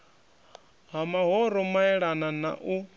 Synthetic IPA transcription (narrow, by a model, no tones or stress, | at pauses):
ɦamaɦɔɾɔmaɛɺanana̰ʔu